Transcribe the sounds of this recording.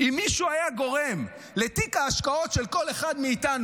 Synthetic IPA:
imːiʃuajaɡo̞ʁem | let̪ikaːʃkao̞tʃelko̞leχadmeit̪anu

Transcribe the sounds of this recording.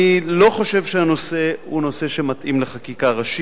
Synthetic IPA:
ilo̞χo̞ʃe̞vʃeano̞se̞huno̞se̞ʃe̞mat̪ʔimleχakikaʁaʃi

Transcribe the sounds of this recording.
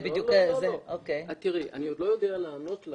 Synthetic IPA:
bid̪jukzeokejat̪iʁiʔa̰niod̪lo̞jo̞d̪ealaːnot̪l

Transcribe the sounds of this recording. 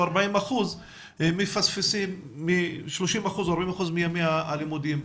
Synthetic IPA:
aɾbaimaχuzː | ifasfisimːiʃloʃimaχuzoaɾbaimaχuzmijamimaalimud̪im

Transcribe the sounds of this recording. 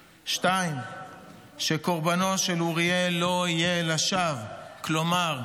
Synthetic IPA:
ʃtaim | ʃe̞ko̞ʁbano̞ʃeluʁielo̞ijelaʃavklo̞maʁ

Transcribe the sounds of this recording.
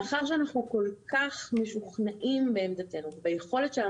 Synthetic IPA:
aχaʁʃ̬eanaχnuko̞lkaχmeʃuχnaʔimbeːmd̪at̪e̞nuvebajeχo̞le̞tʃea

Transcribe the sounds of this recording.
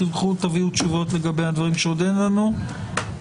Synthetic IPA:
ilkχut̪aviutʃuvo̞tle̞ɡabejhad̪vaʁimʃeodenlanu

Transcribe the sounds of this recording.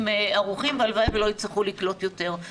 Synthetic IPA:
meaʁuχimbealvaevelo̞it͡sleχuliklotjo̞te̞ʁ

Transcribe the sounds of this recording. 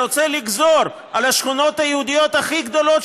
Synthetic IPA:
ot͡seliɡzo̞ɾ | alaʃχuno̞t̪hajeud̪ijo̞t̪aχiɡd̪o̞lo̞t̪

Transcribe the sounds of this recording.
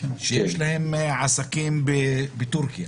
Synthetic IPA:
ʃejeʃlahemʕasakimbebet̪uɾkija

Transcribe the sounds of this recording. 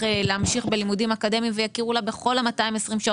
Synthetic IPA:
eleamʃiχbe̞limudimakade̞mimvejakiʁulabeχo̞lamataimesʁimʃa

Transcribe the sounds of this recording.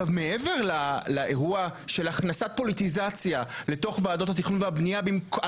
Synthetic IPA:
avmeʔeve̞ʁlalaʔeʁuaʃe̞laχnasat̚po̞lit̪izat͡sjale̞to̞χvaːdo̞that̪̬iχnunveabnijabimk

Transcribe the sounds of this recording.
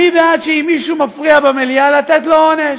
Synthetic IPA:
ivead̪ʃeimːiʃumafʁiabemelialat̪et̪lo̞oneʃ

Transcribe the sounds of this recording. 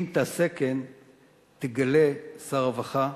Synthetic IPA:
nt̪aseken | t̪eɡalesaʁavaχa

